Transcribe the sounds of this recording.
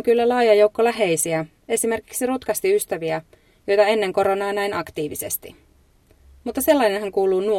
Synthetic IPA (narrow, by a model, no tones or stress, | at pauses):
ŋkylːælɑːjɑjowkːolːæɦe̞jsiæ | e̞sime̞rki̥ksirut̪kɑst̪iyst̪æʋiæ | jo̞jt̪ɑe̞nːe̞ŋko̞ɾo̞nɑːnæjnɑkt̪iːʋise̞̰st̪ḭ | mut̪ːɑse̞lːɑjnenɦæŋkuːluːnu